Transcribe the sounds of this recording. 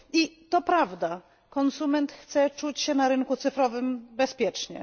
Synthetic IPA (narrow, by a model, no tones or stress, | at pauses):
it̪ɔpɾavd̪a | kɔnsumɛnt̪xt̪sɛt͡ʂut͡ɕɕɛnaɾɘnkut̪sɘfɾɔvɘmbɛspʲjɛt͡ʂɲɛ̰